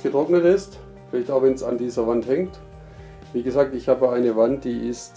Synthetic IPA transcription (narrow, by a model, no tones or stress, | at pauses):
ɡ̥ətʁ̥ɔknətɪst | fɪlaɪçtaʊv̥ɛnsa̰ndiːzɐvanthɛŋt | viːɡəzaːk̚tɪçhaːbəaɪnəvant̚d̥iːʔɪst